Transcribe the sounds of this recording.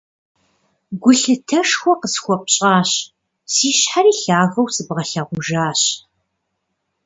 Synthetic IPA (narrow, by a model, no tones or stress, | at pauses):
ɡʷʊɬɨtʰɐʂxʷɔqəsxʷɔp̚ʼɕʼaːɕ | siːɕħaɾiːɬaːɣɐwsɨbʁɐɬaʁʷʊʒaːɕ